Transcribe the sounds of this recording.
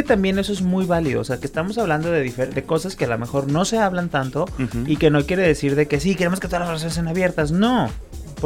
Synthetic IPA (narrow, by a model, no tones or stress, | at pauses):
et̪ambje̞ne̞so̞ezmujβaliðo̰se̞akest̪amo̞saβland̪o̞ðe̞ðifed̪e̞ko̞saske̞alo̰me̞xo̞ɾno̞se̞aβlant̪ant̪o̞ike̞no̞kje̞ɾe̞ðe̞siɾðe̞ke̞sike̞ɾe̞mosket̪oalazrasjons̬eanaβje̞ɾt̪asno̞ | p